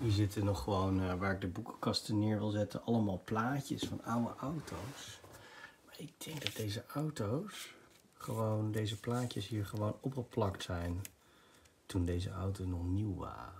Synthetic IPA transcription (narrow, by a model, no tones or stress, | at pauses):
ɦiːɹzɪtənɔχːəʋownʋaːɹɪɡ̚dəbukə̥kɑstənɪːɹʋɪlˠzɛtə̰nʔɑləmaːlˠplaːcə̰sfɑ̰nawə̰ʔawtʰows | maːɹɪɡ̚dɛŋɡdɑd̚dejzəʔawtows | χəʋowndejzəplaːcəsɦiːɹχəʋownɔpχəplɑktsɛjn | tundejzə̰a̰wtonɔχniwʋa̰ːrə